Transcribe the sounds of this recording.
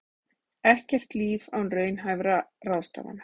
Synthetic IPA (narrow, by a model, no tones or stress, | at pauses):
ɛhcɛr̥t̪liːvawnrœːɥnɦajvɾarawst̪a̰ːva̰n